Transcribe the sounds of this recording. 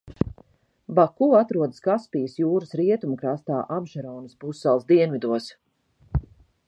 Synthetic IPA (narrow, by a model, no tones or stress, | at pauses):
bakuat̪ɾuɔd̪əskaspijəsjuːɾəsɾiɛt̪umkɾast̪aːʔabʒaɾɔwnəspusːɛlˠsd̪iɛnvid̪uɔs